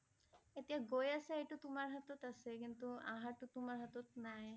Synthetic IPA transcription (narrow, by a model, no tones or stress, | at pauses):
et̪iaɡojaseejʈut̪umaɾɦat̪ot̪asekint̪ua̰ɦaʈut̪umaɾɦat̪ot̪naj